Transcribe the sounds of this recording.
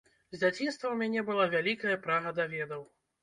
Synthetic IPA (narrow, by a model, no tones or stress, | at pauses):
zʲd͡zʲat͡sʲinst̪vɐwmʲanʲɛbɨlˠavʲalʲikɐjɐpɾaɣɐd̪avʲɛd̪ɐw